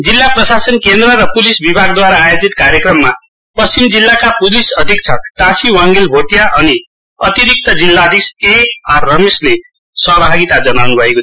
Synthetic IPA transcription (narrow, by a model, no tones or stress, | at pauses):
d͡zilːaprʌsasʌnkend̪ɾʌɾʌpulisbibʱaɡ̚d̪waɾaːjod͡zit̪kaɾjʌkrʌmːa | pʌst͡simd͡zilːakapulisʌd̪ʱik̚t͡sʰʌʈãsiwaŋɡelbʱoʈijaʔʌni | ʌt̪iɾik̚t̪ʌd͡zilːad̪ʱisearːʌmesle | sʌbʱaɡit̪ad͡zʌnawnubʱʌeko